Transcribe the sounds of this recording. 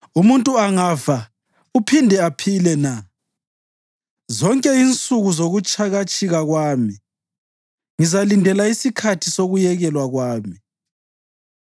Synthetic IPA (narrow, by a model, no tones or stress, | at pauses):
umuntʼuaŋaːva | upʰindʱɛapʰilɛna | zɔŋkʼɛint͡sʼuɣuzoɣut͡ʃʼaɣat͡ʃʼiɣaɣwaːmi | ŋizalindʱɛlaisikʰatʰisoɣujɛɣɛlwaɣwaːmi